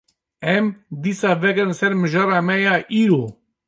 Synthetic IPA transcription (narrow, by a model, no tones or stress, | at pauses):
ɛmd̪iːsaːvɛkənsɛɾmɨʒɑːɾɑːmɛjaːʔiːɾoː